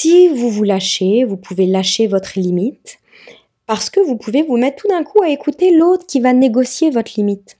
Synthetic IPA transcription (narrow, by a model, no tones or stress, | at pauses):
sivuvulaʃevupʰuvelaʃevɔt̪χəlimit̪ | paʁsə̥kəvupʰuvevumɛt̪̚t̪ːud̪ɛ̃kʰuaekut̪elot̪χə̥kʲivaneɡɔsjevɔt̪χlimit̪